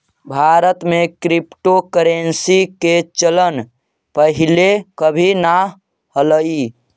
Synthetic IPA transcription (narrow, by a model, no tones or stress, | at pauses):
bʱaɾət̪mekɾipʈokəɾensiket͡ʃələn | pəɦilekəbʱina | ɦələi